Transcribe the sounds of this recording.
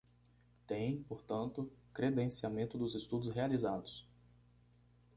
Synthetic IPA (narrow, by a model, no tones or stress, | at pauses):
t̪ẽj̃poɾt̪ɐ̃nt̪ʊkɾed̪ẽsiamẽnt̪ʊd̪ʊzest̪ud̪ʊsɦealizad̪ʊs